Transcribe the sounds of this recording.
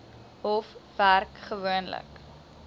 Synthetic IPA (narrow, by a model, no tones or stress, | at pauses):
ɔfværkχəvuənlə̰k